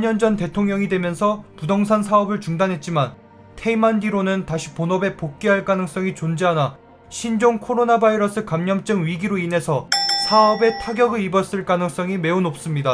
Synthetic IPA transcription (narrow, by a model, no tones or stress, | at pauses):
aɲʌnd͡ʑʌnte̞tʰoŋɲʌŋidwe̞mjʌnsʰʌpudʌŋs̬ʰansʰaʌbɯɭt͡ɕuŋdanɦe̞t̚t͡ɕ͈iman | tʰeimandiɾonɯntaɕʰi̥ponʌbe̞pok̚k͈iɦaɭk͈anɯŋs͈ʌŋit͡ɕond͡ʑeɦana | ɕʰind͡ʑoŋkʰoɾonabaiɾʌs͈ʰɯkamɲʌmt͡ɕ͈ɯŋɥiɡiɾoinɦe̞sʰʌsʰaʌbe̞tʰaɡjʌɡɯibʌs͈ɯɭk͈anɯŋs͈ʌŋime̞unop̚s͈ɯmɲida